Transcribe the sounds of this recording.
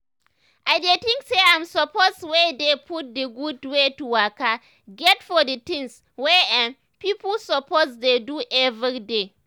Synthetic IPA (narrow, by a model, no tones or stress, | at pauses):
ʔajdetɪ̃ŋkseajmsɔposwedepʊt̚deɡudwetuwaka | ɡɛtfɔdɐtɪ̃ŋs | wɛʔɛn | piːpʊlsɔposdeduʔɛviide